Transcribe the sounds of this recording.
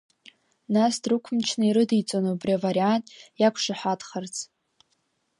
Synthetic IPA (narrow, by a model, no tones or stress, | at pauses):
nasdrɨkʷʰmt͡ʃʰnaiɾɨdijt͡sʼonobriavaɾiantʼjakʷʰʂaħʷadχərt͡sʰʼ